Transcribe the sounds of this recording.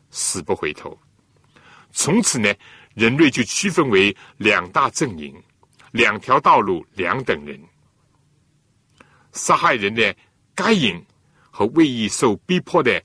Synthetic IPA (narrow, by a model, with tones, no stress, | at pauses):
ʂɹ̩˨˩pu˧˥xwe˧˥ɪt̪ʰo̰˧˥ʊ | t͡sʰʊ˧˥ŋt͡sʰɹ̩˨˩nɛ˧ | ɻə˧˥nwe˥˧ɪt͡ɕjo˥˧ʊt͡ɕʰy˥fə˥nwe˧˥ɪljɑ˨˩ŋt̪a˥˧t͡sə˥˩ŋḭ˧˥ŋ | ljɑ˨˩ŋt̪ʰjɑ˧˥ʊt̪ɑ˥˧ʊlu˥˩ljɑ˧˥ŋt̪ə˨˩ŋɻə̰˧˥n | sa˥xa˥˩ɪɻə˧˥nd̪ə˨ | ka˥ɪi˨˩˦ŋ | xɤ˧˥we˥˧ɪi˥˧so˥˩ʊpi˥pʰɔ˥˧d̪ə˨